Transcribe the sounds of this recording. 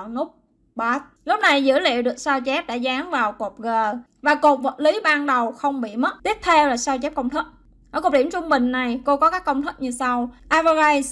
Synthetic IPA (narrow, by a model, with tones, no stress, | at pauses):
nʊ˦˥k͡p̚ | ɓaː˨˦˥t̚lʊ˦˥k͡p̚na˨˩jzɨ̰˧˥lḭ˧˨əwɗɨ˨˩ək̚saː˧wt͡ɕɛ˦˥p̚ɗa̰ː˧˥zaː˨˦ŋvaː˨˩wko˨˩p̚ɣəː˨˩ | vaː˨˩ko˨˩p̚və˨˩t̚li˨˦ɓaː˧nɗə˨˩wxə˧wŋ͡mɓḭ˧˨mə˦˥t̚t̪i˦˥əp̚t̪ʰe˧wlaː˨˩saː˧wt͡ɕɛ˦˥p̚kə˧wŋ͡mt̪ʰi˦˥k̚ | ʔəː˧˩ko˨˩p̚ɗi˧˩əmt͡ɕʊ˧ŋ͡mɓï˨˩ŋ̟na˨˩jko˧kɔ˨˦kaː˦˥kːə˧wŋ͡mt̪ʰi˦˥t̚ɲɨ˧sa˧wʔaː˧vaː˧za˧js